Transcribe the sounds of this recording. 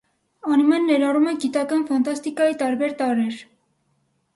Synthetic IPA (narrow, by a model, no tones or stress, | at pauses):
ɑnumɛnːɛɾɑrumɛɡit̪ɑkɑnfɑnt̪ɑst̪ikɑjit̪ɑɾbɛɾt̪ɑɾɛɾ